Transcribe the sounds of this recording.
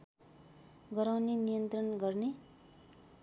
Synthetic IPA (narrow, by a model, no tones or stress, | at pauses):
ɡʌɾawnenijʌnt̪rʌnɡʌrne